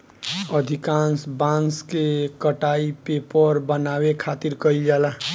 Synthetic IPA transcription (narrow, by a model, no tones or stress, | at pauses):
əd̪ʱikansbãnskekəʈaipepəɾbənawekʰat̪iɾkəild͡ʒala